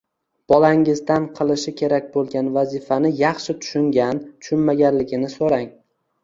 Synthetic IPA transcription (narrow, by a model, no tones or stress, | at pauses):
b̥ɒlaŋɪzd̪anqʰɨlˠɪʃɪkʲʰe̞ɾak̚ʲbolˠɡʲanvazɪfanɪjɑχʃɪt̪ʰʊ̥ʃʊŋɡʲant̪ʰʊ̥ʃʊnmaɡʲanlɪɡʲɪnɪsoɾaŋ